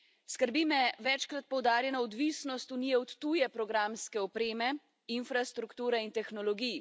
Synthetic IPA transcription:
skəɾbimɛʋɛt͡ʃkɾat̪̚pɔwd̪aːɾjɛnaɔd̪ʋiːsnɔst̪uniːjɛɔt̪ːujɛpɾɔɡɾamskɛɔpɾeːmɛ | infɾast̪ɾukt̪uːɾɛint̪ɛxnɔlɔɡij

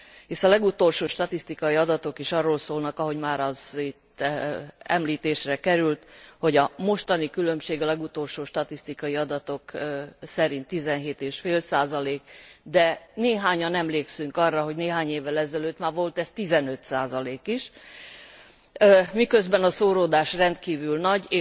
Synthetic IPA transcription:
iʃɒlɛɡut̪o̞lʃoːʃt̪ɒt̪ist̪ikɒjiɒd̪ɒt̪o̞kiʃɒrːoːlsoːlnɒkɒɦo̞ɟmaːɾɒzit̪ː | ɛ̰mliːt̪eːʃrɛkɛɾylt̪ho̞ɟɒmo̞ʃt̪ɒnikylø̞mʃeːɡɒlɛɡut̪o̞lʃoːʃt̪ɒt̪ist̪ikɒiɒd̪ɒt̪o̞ksɛɾint̪ːizɛnɦeːt̪eːʃfeːlsaːzɒleːkd̪ɛneːɦaːɲɒnɛmleːksyŋkɒrːɒɦo̞ɟneːɦaːɲeːvːɛlɛzɛløːt̪maːrvo̞lt̪ɛst̪izɛnø̞t̪saːzɒleːkiʃ | mikø̞zbɛnɒsoːɾoːd̪aːʃrɛnt̪kiːvylnɒɟeː

